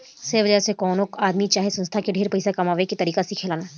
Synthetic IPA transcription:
seʋɐd͡ʒasekɔːnokaːd̪mit͡ʃaːɦesɐ̃nst̪ʰakeɖʱeːɾpɐɪsakɐmaːʋekit̪ɐɾiːkasikʰeːlaːnaː

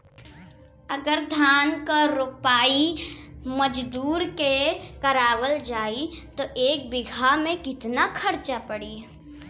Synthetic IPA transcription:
ɐɡəɾd̪ʱaːnkaɾʊpaːi | məd͡ʒd̪uːɾkekɐɾaːwəld͡ʒaːit̪oʔeːk̚bɪɡʱamẽkɪt̪nakʰɐɾt͡ʃapɐɽiː

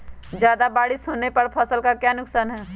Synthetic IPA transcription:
d͡ʒjaːd̪abaːɽɪsoːnepɐɽpʰɐsəlkakjaːnʊksaːnɦɛː

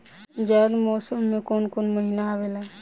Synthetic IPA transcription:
d͡ʒaːd̪mɔːsəmːẽkoːnkoːnməɦinaːʋela

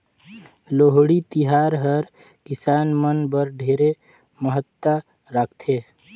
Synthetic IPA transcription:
loːɦɽit̪iɦaːɾɦəɾ | kɪsaːnmənbəɾɖʱeːɾe | məɦət̪ːa | ɾaːkʰt̪ʰeː

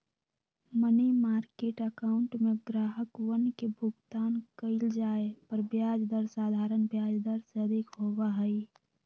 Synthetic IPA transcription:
mənemaːɾkeːʈəkaːʊɳʈmẽɡɾaːɦəkwənkebʱʊɡt̪aːnkəɪld͡ʒaːepəɾbjaːd͡ʒd̪əɾsaːd̪ʱaːɾənbjaːd͡ʒd̪əɾseəd̪ʱɪkɦoːwaɦɛi

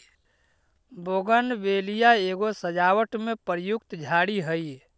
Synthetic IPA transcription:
boɡənʋelijaeːɡosəd͡ʒawəʈmepəɾjukt̪d͡ʒʱaːɽiɦəj

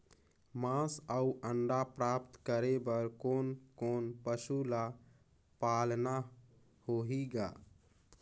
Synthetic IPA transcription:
mãsauəɳɖapɾapt̪kəɾebəɾkonkonpəsula | palna | hoɦiɡa̰

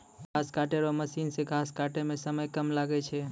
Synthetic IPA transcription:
ɡʱaskaʈeɾɔməsinseɡʱaskaʈemẽsəməjkəmlaɡɛt͡ʃʰɛ

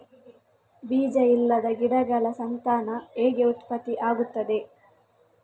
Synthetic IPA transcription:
biːd͡ʒɐilːɐd̪ɐɡiɽɐɡɐlɐsɐnt̪aːnɐeːɡeut̪pɐt̪iʔaːɡut̪ːɐd̪e̞

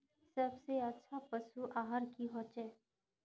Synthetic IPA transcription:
səbseətːʃʰapəʃuʔaːɦəɾkiɦoːt͡ʃɛ

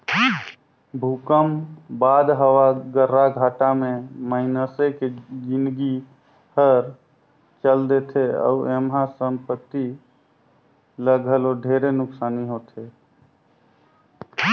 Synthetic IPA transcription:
bʱukəmbad̪ɦəwaɡəɾːaɡʱaʈameməinəseked͡ʒinɡi | həɾ | t͡ʃəld̪et̪ʰeə̰uemɦãsəmpət̪ːi | ləɡʱəloɖʱeɾenʊksaniɦot̪ʰe

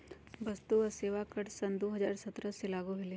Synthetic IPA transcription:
bɐst̪uɐseːʋakəʈsɐnd̪oːɦɐzaːɾsɐt̪ɾəselaːɡoɦɪle

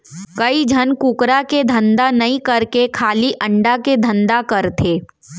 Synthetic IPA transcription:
kɐid͡ʒʱɐnkukɾaked̪ʱɐ̃nd̪anɐĩkɐɾkekʰaːliʔɐ̃ɳɖaked̪ʱɐ̃nd̪akɐɾt̪ʰeː

